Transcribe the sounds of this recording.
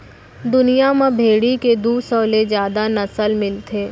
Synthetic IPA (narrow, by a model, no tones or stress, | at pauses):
d̪ʊnijamãbʱeːɽiked̪uːsɔːlezjaːd̪anɐsəlmɪlt̪ʰeː